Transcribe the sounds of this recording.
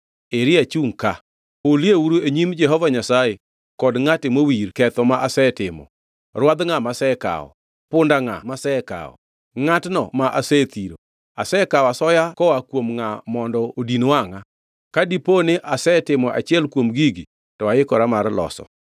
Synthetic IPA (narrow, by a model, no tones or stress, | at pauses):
eɾɪat͡ʃuŋka | oljewuɾueɲimd͡ʒɛɦɔvaɲasaje | kɔdŋatɪmowiɾkɛt̪ɔmaʔasɛtɪmɔ̰ | rwad̪ŋamasɛka̰ɔ̰ | pʊndaŋa̰masɛka̰ɔ̰ | ŋatnɔ̰maʔasɛt̪iɾo | asɛkawasɔjakɔwakwomŋamɔndɔodinowaŋa | kadiponeʔasɛtɪmɔʔa̰t͡ʃɪɛlkwomɡiɡi | tɔaɪkɔɾamarlɔ̰sɔ̰